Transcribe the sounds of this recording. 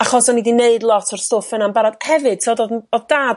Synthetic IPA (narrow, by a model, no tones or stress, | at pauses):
aχɔsɔnidineɨdlˠɔtʰɔrstoːfɨnanbaɾadhɛvɨd̥tʰɔdodɔðdaːd